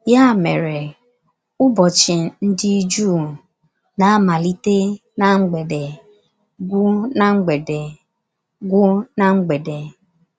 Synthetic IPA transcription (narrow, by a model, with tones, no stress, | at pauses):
ja˦˨me˨ɾe˨ | ʊ˦bɔ˨t͡ʃɪ˨n̩˦dɪ˦d͡ʒuː˦˨ | na˨a˦ma˨li˦te˦ | na˨ŋ͡m̩˦ɡ͡be˨de˨ | ɡʷʊ˦na˦ŋ͡m̩˦ɡ͡be˨de˨ | ɡʷʊ˦na˦ŋ͡m̩˦ɡ͡be˨de˨